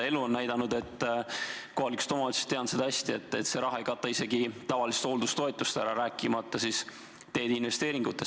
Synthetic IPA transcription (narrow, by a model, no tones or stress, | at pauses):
e̞luonːæjd̪̥ɑnud̪e̞t̪ː | ko̞ɦɑlikst̪o̞mɑot̪sie̥t̪ːe̞ɑnd̪se̞d̪̥ɑɑsʲt̪ie̞t̪ːˑe̞t̪se̞ɾɑɦɑe̞jkɑt̪ːˑɑise̞ɡit̪ɑvɑlist̪old̪ust̪o̞et̪ːˑust̪æɾɑɾæːkːˑimɑt̪ˑːɑsis | t̪e̞ːd̪inve̞st̪eːɾiŋɡut̪ːˑe̞